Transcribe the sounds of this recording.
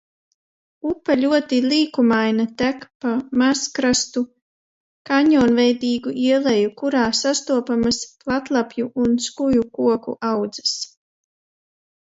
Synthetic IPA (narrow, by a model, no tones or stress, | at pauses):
upaʎʲuɔt̪ilˠiːkumajnat̪ækpamaskɾast̪u | kaɲɔːnvɛjd̪iːɡuʔiɛlˠɛjukuɾaːsast̪uɔpamasplˠat̪lˠapjuʔunskujukuɔkṵʔawd̪z̥ɨs